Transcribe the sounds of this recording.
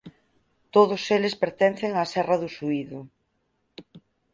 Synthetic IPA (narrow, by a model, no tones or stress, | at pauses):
t̪oðʊselɪspeɾt̪ɛnθeŋasɛrɐðʊsuiðʊ